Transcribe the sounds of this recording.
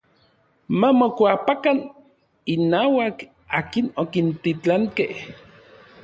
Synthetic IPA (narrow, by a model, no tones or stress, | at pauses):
mamokʷapakan | inaːwak | aːkinokint̪it͡ɬaŋkeh